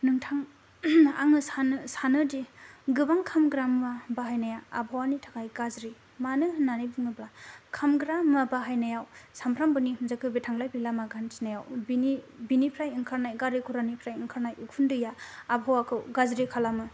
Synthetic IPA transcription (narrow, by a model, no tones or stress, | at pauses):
nɯŋtʰaŋ | a̰ŋɯsansanɯdiɡɯbaŋkʰamɡɾamːabaɦajnajaːbʱawanitʰakʰajɡazɾi | manɯnanibɯŋɯblakʰamɡɾamːabaɦajnajawsampʰɾambɯnihɯnzakʰɯbitʰaŋlajbilamaɡansʰinajawbinibinipʰɾajiŋkʰaɾnajɡaɾikʰuɾanipʰɾajɯŋkʰaɾnajukʰundɯjaːbʱawakʰɯwɡazɾikʰalamɯ